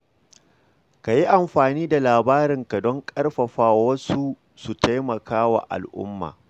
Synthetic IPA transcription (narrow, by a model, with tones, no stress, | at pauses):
ka˨ji˦ʔa˨mɸaː˨niː˦da˨laː˨baː˦ɾɪ˨ŋka˨dɔ˦ŋkʼɐ˦rɸɐ˨ɸaː˦wa˦wɐ˦su˦ | su˨ta˦jmɐ˨kaː˦wa̰ː˨ʔa̰˨lʔʊ̰˦mːa̰ː˨